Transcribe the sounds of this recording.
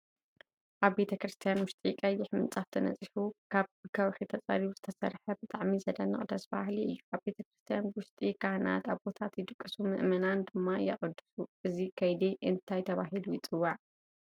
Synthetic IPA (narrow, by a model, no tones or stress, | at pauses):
ʔaβbe̞t̪ʰɐkɾɨst̪ʰijanwʊʃt̪ʼikʼɐjːɪħmɨnt͡sʼaft̪ʰɨnɐ̰t͡sʼiħukʰaβbɨɡawħit̪ʰɐt͡sʼɐ̰ɾiβuzɨt̪ʰɐsɐ̰ɾħɐbɨt̪ʼaʕmizɐd̪ɐnɨχʼd̪ɐsba̰hliɨ̰jːuʔaβbe̞t̪ʰɐkɾɨst̪ʰijanwʊʃt̪ʼikʼahna̰t̪aβbo̞t̪ʰat̪jɪd̪ɨkʼːɨsumɨʔmɐnand̪ɨmːajɛ̰χʼɨd̪ːɨ̥suʔɨzikʰɐjd̪eʔɨnt̪ʰajt̪ʰɐβaɦilujɪt͡sʼɨwːaʕ